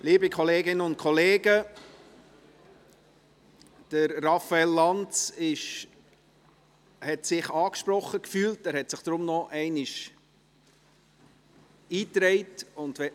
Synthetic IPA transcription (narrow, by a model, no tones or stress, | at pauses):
liːbikʰɔleːɡɪnəʊnt̚kʰɔleːɡə | d̥əɾːɑfaɛlːɑnt͡sɪʃ | hɛtsɪχɑːkʃpɾɔχːəkfyːltæːɾhɛtsɪχd̥ɾʊmnɔʔɛɪnɪʃ | iːtɾɛɪtʊnd̥ʋɛ